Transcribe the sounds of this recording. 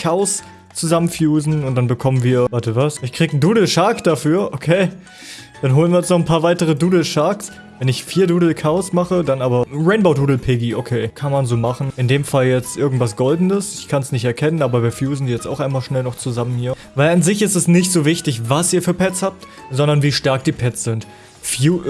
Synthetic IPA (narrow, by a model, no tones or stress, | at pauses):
kʰaʊs | t͡suzamənfjuːzn̩ʊntd̥anbəkʰɔmənviːɐvaɐtəvasɪçkʁ̥iːkn̩duːdl̩ʃaːkd̥afyːɐʔokʰeː | d̥anɦoːlənviːɐɛt͡snɔχn̩pʰaːɐvaɪtəʁ̞əduːdl̩ʃaːks | vɛnɪçfiːɐduːdl̩kʰaʊsmaχədanaːbɐʁɛɪnboʊduːdl̩pʰeɡiʔokʰeːkʰanmanzoːmaχn̩ɪndeːmfaljɛt͡stʔɪɐɡŋ̩tv̥as̬ɡ̥ɔldn̩dəsɪçkʰansnɪçtɛɐkʰɛnənaːbɐviːɐfjuːzn̩diːjɛt͡sta̰ʊxʔaɪnmaːlʃnɛlnɔχt͡suzamənhiːɐ | vaɪlanzɪçɪstɛsnɪçtz̥oːvɪçtɪçvasiːɐfyːɐpʰɛt͡shaːp̚t | z̥ɔndɐnviːʃtaɐk̚d̥iːpʰɛt͡sz̥ɪnt | fjuː